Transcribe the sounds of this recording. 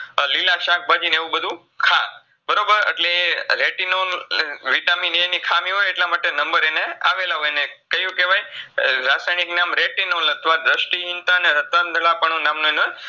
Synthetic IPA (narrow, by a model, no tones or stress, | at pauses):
lilaʃak̚ʰbʱad͡ʒineʋũbəd̪ʱũ | kʰa | bəɾobəɾə̰ʈleɾeʈinonʋiʈaminenikʰamiɦojeʈlamaʈenəmbəɾenea̰ʋelaɦojnekəjũkeʋajɾasajniknamɾeʈinolət̪ʰʋaɾɾəʃʈiɦɪnt̪aneɾət̪ʋand̪ʱəɭapəɳũnamnonoj